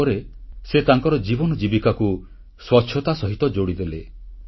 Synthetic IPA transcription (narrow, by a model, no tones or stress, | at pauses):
ɾeset̪aŋkɔɾɔd͡ʒibɔnɔd͡ʒibikaku | swɔʃʰjɔt̪asɔɦit̪ɔd͡ʒoɽid̪ele